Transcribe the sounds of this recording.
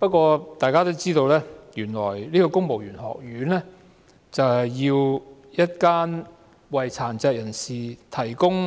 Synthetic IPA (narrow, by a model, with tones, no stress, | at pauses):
pɐ˥t̚kʷɔː˧t̪aː˨jkaː˥t̪o˥wt͡siː˥t̪o˧wlɛː˥jyː˨˩nlɔ̰ː˨˩jliː˥kɔː˧kʊ˥ŋmo˨wjyː˨˩nhɔ̰ː˨k̚jyː˨˧˥nlɛː˥ | t͡sɐ˨wjiː˧w | jɐ˥t̚kaː˥n | wɐ˨jt͡sʰaː˨˩nt͡sɛː˧k̚jɐ˨˩nsiː˨t̪ʰɐ˨˩jkʊ˥ŋ